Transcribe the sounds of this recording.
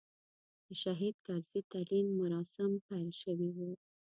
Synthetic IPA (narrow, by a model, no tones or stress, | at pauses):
d̪̥əʃaɦid̪̚kɑɾz̥it̪alimːʊɾɑsɪmpajlʃəwiwu